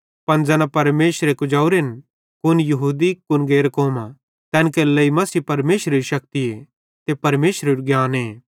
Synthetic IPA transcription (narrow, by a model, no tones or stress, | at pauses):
pɐnd͡zɛːnapɐɾmeːʃɾekʊd͡ʒaːuɾen | kʊnjɐɦuːd̪ikʊnɡeːɾkoːmã | t̪ɛ̃ːnkelɐimɐsiːpɐɾmeːʃɾeɾiʃɐk̚t̪ie | t̪epɐɾmeːʃɾeɾɡjaːneː